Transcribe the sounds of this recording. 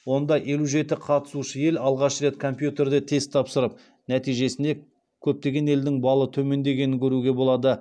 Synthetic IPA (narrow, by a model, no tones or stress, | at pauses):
wo̞nd̪ɑʔe̞luʒe̞t̪ɪqʰɑt̪ə̥suʃəje̞lɑlˠʁɑʃre̞t̪kʰo̞mpjut̪e̞ɾd̪e̞t̪ʰe̞zt̪ʰɑpsəɾəp̚ | næt̪ijʒe̞sɪnd̪e̞ | kʲʰɵp̚t̪e̞ɡʲe̞ne̞ld̪ɪŋbɑlˠət̪ʰɵme̞nd̪e̞ɡʲenɪŋkʲʰɵɾuɡʲe̞bo̞lˠɑd̪ə